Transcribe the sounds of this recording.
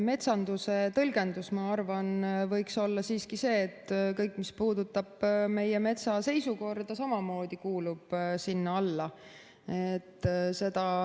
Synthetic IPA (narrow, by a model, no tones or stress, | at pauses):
me̞t̪sɑnd̪̥use̞t̪ɤlɡ̥e̞nd̪̥usmɑɑrvɑnvɤjkso̞lːɑsiːskise̞ːt̪ːkɤjkːˑmispuːd̪ut̪ːˑɑb̥me̞jeme̞t̪sɑse̞jsuko̞rd̪ɑsɑmɑmo̞ːd̪̥ikuːlub̥sinːɑɑlːɑ | et̪ːse̞d̪̥ɑ